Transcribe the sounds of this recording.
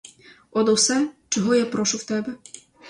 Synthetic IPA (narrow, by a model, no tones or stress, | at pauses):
ɔd̪ɔwsɛt͡ʃɔɦɔjapɾɔʃʊwt̪ɛbɛ